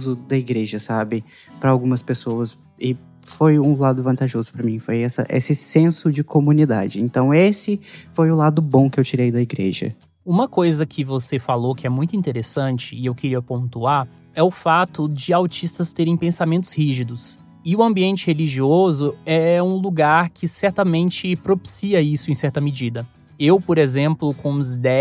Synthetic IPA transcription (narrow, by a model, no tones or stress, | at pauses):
zʊd̪ɐiɡɾeʒɐsabɪ | pɾɐawɡũmɐspesowɐs | ɪ | fojũlad̪ʊvɐ̃nt̪aʒozʊpɾɐmĩfojɛsɐ̰ʔḛsɪsẽsʊd͡ʒɪkomũnid̪a̰d͡ʒɪẽnt̪ɐ̃w̃esɪfojʊlad̪ʊbõkɪewt͡ʃiɾejd̪ɐiɡɾḛʒɐ̰ | ũmɐkojzɐkʰɪvosefalokɪɛmũj̃t̪ʊĩnt̪eɾesɐ̃t͡ʃɪːewkɪɾiɐpõnt̪uaɾ | ɛʊfat̪ʊd͡ʒɪawt͡ʃist̪ɐst̪eɾẽj̃pẽsamẽnt̪ʊ̥shiʒid̪ʊs | ɪʊɐ̃mbiẽnt͡ʃɪheliʒiozʊɛũluɡaɾkʰɪsɛɾt̪ɐmẽnt͡ʃɪpɾopi̥siɐisʊẽj̃sɛɾt̪ɐmɪd͡ʒid̪ɐ | ewpoɾezẽmplʊkõʊzd̪ɛ